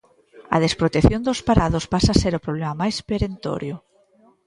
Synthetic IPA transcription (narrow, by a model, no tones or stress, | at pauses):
ɐ̰ð̞espɾot̪eθjond̪ʊspaɾaðʊspasaseɾʊpɾoβlemamajspeɾent̪o̰ɾjʊ